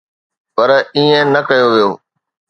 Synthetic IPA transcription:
pɐɾiːẽnɐkəjoʋijoː

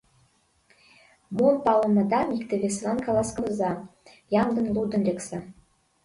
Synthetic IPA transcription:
monpɑlɤ̆mɑd̪ɑmʲikt̪ɘ̆vʲes̬nɑnkɑlˠɑskɤ̆lzɑ | jɑmd̪ɤ̆nlˠud̪ə̆nlʲeksɘ

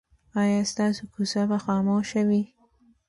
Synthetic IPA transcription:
ɑjɑst̪ɑsokusabaxɑmoʃawi

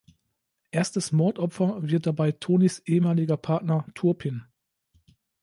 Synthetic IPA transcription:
ʔeːɐstəsmɔɐtʔɔpfɐvɪɐt̚d̥abaɪtʰoːnisʔeːəmaːlɪɡɐpʰaɐtnɐtʰʊɐpʰɪn

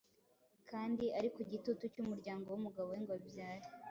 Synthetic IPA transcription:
kʰaːndiaɾikuɟitutucumuɾɟaːŋɡo̞wumuɡaβoŋɡwabjaːɾi

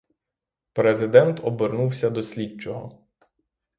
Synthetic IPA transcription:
pɾezɪd̪ɛnt̪ɔbɪrnuwsʲɐd̪ɔsʲlʲit͡ʃɔɦɔ

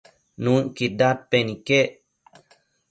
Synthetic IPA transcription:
nũkidat̪̚penike

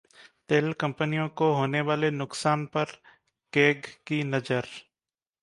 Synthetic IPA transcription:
t̪eːlkɐ̃mpənijõkoɦoːneʋaːlenʊksaːnpɐɾ | keːɡkinɐd͡ʒəɾ

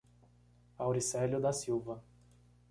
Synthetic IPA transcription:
awɾisɛljʊd̪ɐsiwvɐ

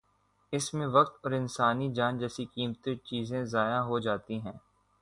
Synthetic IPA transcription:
ɪsmẽʋɐkt̪ɔːɾɪnsaːnid͡ʒaːnd͡ʒɛːsikiːmt̪et͡ʃiːzẽzaːjaɦod͡ʒaːt̪iɦɛ̃ː

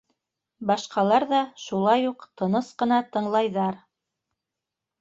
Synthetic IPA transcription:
bɑʃqɑlˠɑɾðɑʃulˠɑjuqt̪ɤ̆nɤsqɤ̆nɑt̪ɤ̆ɴlˠɑjðɑɾ

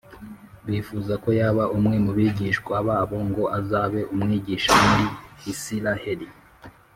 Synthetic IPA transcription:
βifuzako̞jaːβaʔumŋe̞muβiɟiʃkwaβaβo̞ŋɡo̞ʔazaβe̞ʔumŋiːɟiːʃamuɾihisilaheɾi

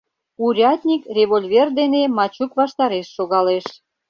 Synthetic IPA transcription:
uɾʲɑt̪ʲnʲikrʲeβolʲvʲerd̪enemɑt͡ɕukβɑʃt̪ɑɾeʃːoɣɑleʃ

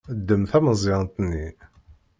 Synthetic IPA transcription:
d̪ːəmθæməzˤiʁnt̪nːi

